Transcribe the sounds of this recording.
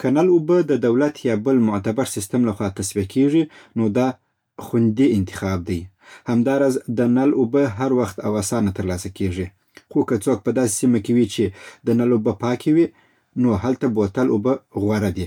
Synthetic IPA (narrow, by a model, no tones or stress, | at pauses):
kʰanalubəd̪əd̪awlat̪jɑbəlmʊt̪abaɾsɪst̪əmlaxwɑt̪aswikʰeʐinod̪ɑ | xʊnd̪iɪnt̪ɪ̥xɑb̚d̪aj | hamd̪ɑɾɑzd̪ənalubəɦaɾwaxt̪awasɑnat̪əɾlɑsakeʐi | xokət͡sok̚pəd̪ɑse̥simakewit͡ʃed̪ənalobəpɑkʰewi | nohalt̪abot̪alubəɣwaɾad̪i